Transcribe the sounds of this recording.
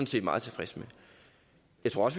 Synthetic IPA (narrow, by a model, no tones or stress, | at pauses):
n̩se̝̰ːd̥mɑ̈ːðˠt͡sʰe̝fʁɛsme | jɑɪt͡sʰʁoɐɒ̽sʋ